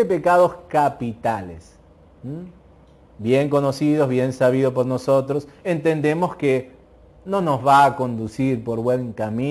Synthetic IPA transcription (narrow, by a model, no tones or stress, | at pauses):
epekaðoskapit̪alḛs̩ | bjeŋko̞nosið̞ozβje̞nsaβ̞iðop̬oɾnoso̞t̪ɾosent̪e̞nd̪e̞mo̞ske | no̞no̞zβaːko̞nd̪usiɾpo̞ɾβweŋkamĩ